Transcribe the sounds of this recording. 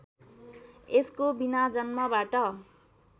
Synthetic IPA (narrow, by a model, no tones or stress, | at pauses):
eskobinad͡zʌnmʌbaʈʌ